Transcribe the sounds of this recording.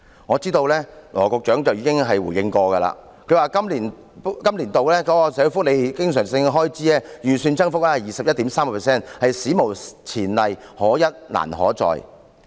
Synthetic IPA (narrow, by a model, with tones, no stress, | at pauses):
ŋɔː˨˧t͡siː˥t̪o˧wlɛː˥lɔː˨˩kɔ˧k̚t͡ʃœː˨˥ŋt͡sɐ˨wjiː˨˥kɪ˥ŋɦɐ˨jwuː˨˩jɪ˧ŋkɔː˧kɐ˧la̰ː˧ | kʰɵ˨˧˥waː˨kɐ˥mliː˨˩n˥ | kɐ˥mliː˨˩nt̪o˨wlɛː˥kɔː˨˧˥kɔː˧sɛ˨˥˧fʊ˥k̚le˨˧jkɪ˥ŋsœː˨˩ŋsɪ˧ŋɦɔː˥jt͡siː˨˥ɛː˥jyː˨˩syː˨˧nt͡sɐ˥ŋfʊ˥k̚lɛː˥hɐ˨˩jiː˨sɐ˨p̚jɐ˥t̚t̪iː˨˥msaː˥mkɐ˨˧pʰɛ˨˩sɛː˥˩nhɐ˨jsiː˨˥mo˨˩wt͡sʰiː˨˩nlɐ˨jhɔː˨˥jɐ˥t̚la̰ː˨˩nɦɔ̰ː˨˥t͡sɔ̰ː˨j